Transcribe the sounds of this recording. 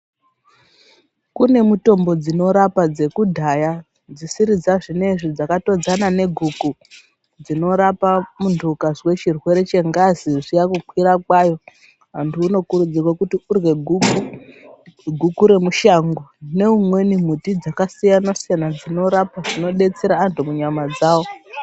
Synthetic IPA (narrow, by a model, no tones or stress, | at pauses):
kune̞muto̞mbo̞d͡zino̞ɾapad͡ze̞kudʱaja | d͡zisiɾid͡zaʐine̞ʐid͡zakato̞d͡zanane̞ɡʱuku | d͡zino̞ɾapamundʱukazwe̞t͡ʃirwe̞ɾe̞t͡ʃe̞ŋɡaziʐijakukʰwiɾakwajo̞ | ɦantʰuːno̞kuɾud͡zirwakutiurwe̞ɡʱuku | ɡʱukuɾe̞muʃaŋɡone̞umwe̞nim̤utid͡zakasijanosijanad͡zino̞ɾapaʐino̞ɗe̞t͡seɾaːntʰumuɲamad͡zaːwo̞